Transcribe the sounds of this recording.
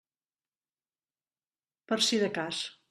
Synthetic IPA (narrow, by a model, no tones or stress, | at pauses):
pəɾsiðəkas